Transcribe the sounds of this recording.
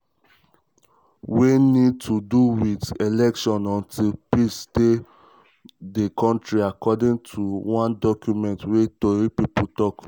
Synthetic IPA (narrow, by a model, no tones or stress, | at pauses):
wenid̚tʰuduwitelɛkʃɔ̃nɔ̃ntʰilpiste | dekʰɔ̃ntɹiakɔdĩŋtʰuwãndɔkjumɛ̃ntwetoɹipiputɔk